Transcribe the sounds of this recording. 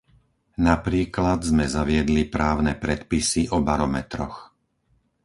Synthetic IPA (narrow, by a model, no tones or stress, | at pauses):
napɾiːklad̪zmɛzaʋɪɛd̪lipɾaːʊnɛpɾɛt̪pisiʔɔbaɾɔmɛt̪ɾɔ̰x